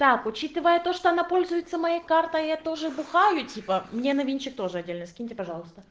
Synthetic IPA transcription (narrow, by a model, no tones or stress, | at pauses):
t̪akʊt͡ɕit̪ɨvəjət̪o̞ʂt̪oɐnapo̞lʲzʊjɪt̪sːəmɐjakart̪əjjat̪o̞ʐɨbʊxajʊtʲipəmnʲenɐvʲinʲt͡ɕːɪk̚t̪o̞ʐɨɐdʲelʲnɨskʲinʲɪtʲɪpɐʐɑlˠəst̪ə